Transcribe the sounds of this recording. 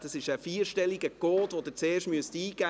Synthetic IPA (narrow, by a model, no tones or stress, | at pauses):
d̥ɑsɪʃəfiːəɾʃtɛliɡəkoːt̪ʋod̪ɪɾt͡seːrʃtmyəstiːɡ̥æ